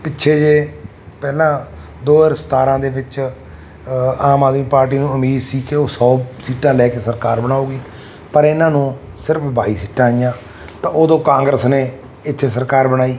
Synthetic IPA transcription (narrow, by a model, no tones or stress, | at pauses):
pɪtːʃʰeːd͡ʒeː | pɛːlãː | d̪oːɪɾəst̪aːɾãːd̪eːʋɪt͡ʃ | aːmaːd̪miːpaːɾʈ̬iːnũːəmiːd̪siːkeoːsɔːsiːʈãːlɛːkeːsəɾkaːɾbənaːuːɡiː | pəɾɪnãːnũː | sɪɾəpʰbaːiːsiːʈãːɪjãː | t̪ãːoːd̪õːkãːŋɡɾəsneː | ɪt̪ʰːeːs̬əɾkaːɾbənaːiː